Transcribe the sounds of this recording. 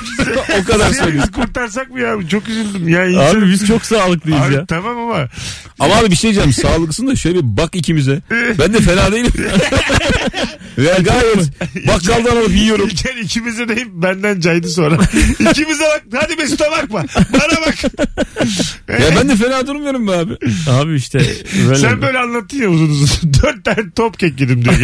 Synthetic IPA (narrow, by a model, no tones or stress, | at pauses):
okad̪aɾssalʲikʰuɾt̪aɾs̬ak̚mujat͡ʃʰo̞kizilʲd̪ɯmjaːniabbiz̥t͡ʃʰo̞ksaːlˠɯk̚d̪ejizjaːt̪ʰamamama | amaɦabibiʃej̪id͡ʒamsaːlˠɯɡɯsɯnd̪aʃøjlʲeibakicʰimizɛbænd̪ɛfe̞naːd̪e̞jilʲim | vejaɡaːjɛt̪bakɡalˠd̪ɯanalˠapijijo̞ɾucʰɛnicʰimizɛd̪ejimbænd̪ænd͡ʒajd̪ɯso̞nɾaicʰimizɛbak̚had̪ibesi̥t̪ʰabak̚mabanabak | jabænd̪ɛfe̞naːd̪uɾumujoɾumbaːbiaːbiiʃt̪ɛ̰bøsænbø̞jlʲɛanlˠat̪ʰːɯnjauzunuzd̪øɾt̪̚ːæɾt̪ʰopcɛcːed̪imd̪yɡ